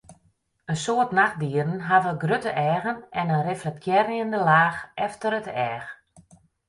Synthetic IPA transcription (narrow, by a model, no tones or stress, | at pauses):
ənsoətnax̚diəɾən̩ɦavəɡrøtəʔɛːɣənɛnənreflɛk̚tʰjɛɾjəndəlaːxʔɛftəɾətɛːx